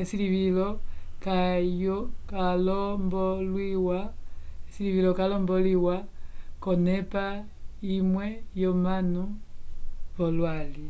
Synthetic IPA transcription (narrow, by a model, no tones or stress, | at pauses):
esiliβilokajokalombolwiwaesiliβilokalomboliwakonepa | imwejomanu | βolwali